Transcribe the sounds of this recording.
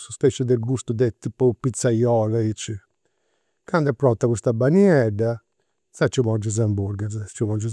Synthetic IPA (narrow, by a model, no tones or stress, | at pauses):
suspɛt͡ʃːud̪elɡust̪ud̪ɛt̪ːipːɔpit̪sːajɔːlait͡ʃːi | kand̪ɛpːɾɔt̪ːakust̪abaniɛɖːa | sat͡ʃːimɔd͡ʒuz̬ambuɾɡaz̬t͡ʃːumɔd͡ʒu